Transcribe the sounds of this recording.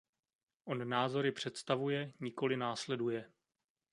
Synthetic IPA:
ʔo̞nnaːzo̞ɾɪpr̝̥ɛt̪st̪avujɛɲɪko̞lɪnaːslɛdujɛ

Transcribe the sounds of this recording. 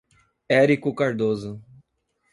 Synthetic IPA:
ɛɾikʊkaɾd̪ozʊ

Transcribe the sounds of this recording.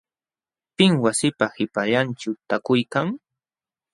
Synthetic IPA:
pɪŋwasɪpahɪpaʎanʈ͡ʂʊt̪akʊjkaŋ

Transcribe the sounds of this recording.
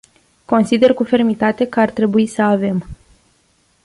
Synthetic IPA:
ko̞nsid̪e̞rkufe̞rmit̪at̪e̞kəart̪ɾe̞buisəave̞m

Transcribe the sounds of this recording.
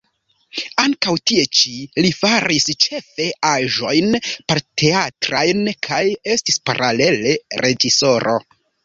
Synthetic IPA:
aŋkawtie̞t͡ʃilifaɾist͡ʃe̞fe̞aʒo̞jnpeɾtʰe̞atɾajnkʰaje̞stispaɾale̞le̞ɾʔe̞d͡ʒiso̞ɾo̞̰

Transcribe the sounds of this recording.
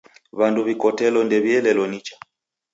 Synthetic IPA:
βanduβikɔtɛlɔndɛβiɛlɛlɔnit͡ʃḁ

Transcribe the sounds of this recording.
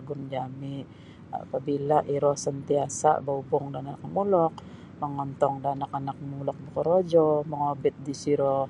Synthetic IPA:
ɡʊnd͡ʒami | a̰pabilaʔiɾɔhsənt̪iasa̰baubɔŋdanaak̚mulɔk̚ | məŋɔnt̪ɔŋdanakanak̚mulɔk̚bəkəɾod͡ʒɔməŋobɪt̪̚disiɾɔ

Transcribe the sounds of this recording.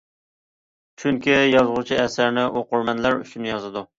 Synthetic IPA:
t͡ʃʰyŋkʲijɑzʁʊt͡ʃʰiɛsɪɾnɪʔoqʊɾmɛnlæɾy̰ʃynjɑzɨd̪u

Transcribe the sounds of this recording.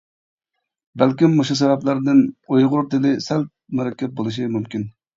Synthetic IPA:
bælkʲimːoʃus̬ɛvɛplæɾd̪ɪnojʁʊɾt̪ɪlɪsælt̪̚mʊɾɛkʲʰːɛt̪̚bolˠɨʃ̬imumkʲin

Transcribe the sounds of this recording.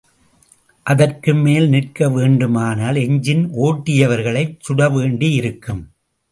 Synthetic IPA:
ʔɐðɐrkɯmːeːlnɪrkɐʋeːɳɖɯmaːnaːlɛɲd͡ʒɪnʔoːʈːɪjɐʋɐɾɣɐɭɐɪt͡ʃt͡ʃʊɽɐʋeːɳɖijɪɾɯkːɯm

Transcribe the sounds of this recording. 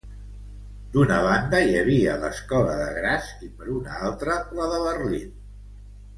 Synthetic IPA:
d̪unəβ̞and̪əjəβ̞iələskɔləðəɣɾasipəɾunəalˠt̪ɾələðəβərlin

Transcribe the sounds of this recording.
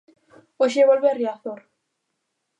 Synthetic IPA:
oʃ̬eβolβeariaθoɾ

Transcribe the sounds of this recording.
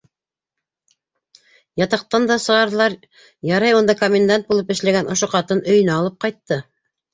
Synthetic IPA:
jɑt̪ɑq̚t̪ɑnd̪ɑsɤ̆ʁɑɾðɤ̆lˠɑɾ | jɑɾɑjund̪ɑkomʲend̪ant̪̚bulˠɤpɘ̆ʃlæɡænʔŏʃoqɑt̪ɤnɵ̆jɘ̆næːlˠɤp̚qɑjt̪ːɤ

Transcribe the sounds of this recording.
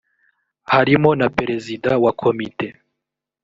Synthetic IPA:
haɾimo̞napeɾe̞zidawakʰomite̞

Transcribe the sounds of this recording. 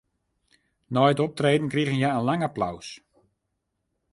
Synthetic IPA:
nɔjtɔp̚treːdn̩kriɣənjaənlaŋapla̰ws

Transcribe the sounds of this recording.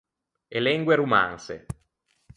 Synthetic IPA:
elɛŋɡweɾuma̰nsḛ

